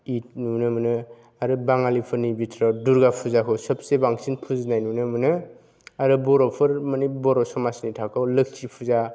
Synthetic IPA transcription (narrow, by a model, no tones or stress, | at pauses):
itnunɯmɯnɯ | aɾɯbaŋalipʰɯɾnibitʰɾaduɾɡapʰuzakʰɯwsɔp̚sebaŋsinpʰuznajnunɯmɯnɯ | aɾɯbɔɾɔpʰɯɾmanibɔɾɔsɔmasnitʰakʰɯwlɯk̚t͡ʃipʰuza